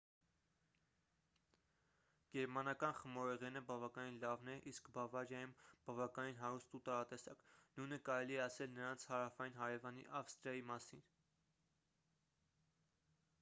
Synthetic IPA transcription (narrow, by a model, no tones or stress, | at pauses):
ɡ̥ɛɾmɑnɑkɑnχəmɔɾɛʁɛnəbɑvɑkɑninlɑvnɛʔiskbɑvɑɾjɑjumb̥ɑvɑkɑninɦɑɾust̪ut̪ɑɾɑt̪ɛsɑknujnəkɑɾɛliɛɑsɛlnəɾɑnt͡sʰhɑɾɑfɑjinɦɑɾɛvɑnḭʔɑfst̪ɾjɑjimɑsin